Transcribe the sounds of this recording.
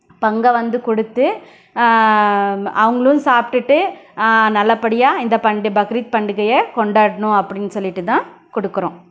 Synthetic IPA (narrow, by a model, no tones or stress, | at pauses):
pɐŋɡɐʋɐnd̪ɯkɔɽɯt̪ːɯ | ɐʋɐŋɡɐɭɯʊ̃saːpɪʈːɯʈːɯ | nɐlːɐpɐɽɪjaːɪnd̪ɐpɐɳɖɯbɐkɾiːt̪̚pɐɳɖɯkɐjɐkɔɳɖaːɽɐnʊ̃ɐpːɐɽɪnːɯsɔlːɪʈːɯt̪ãː | kɔɽɯkːɯɾõː